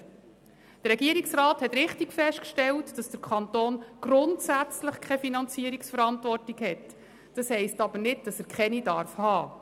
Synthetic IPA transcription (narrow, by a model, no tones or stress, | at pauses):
d̥ərɾɛɡiəɾiksrɑːthɛtɾɪχtikfɛʃtkʃtɛltd̥ɑsd̥əɾkʰɑntoːnɡ̥ɾʊntsæt͡sləχkʰɛfinɑnt͡siːɾiksfəɾɑntʋɔrtiɡhɛt | d̥ɑshɛɪstɑb̥ənɪdd̥ɑsæɾkχɛnidɑɾfhɑː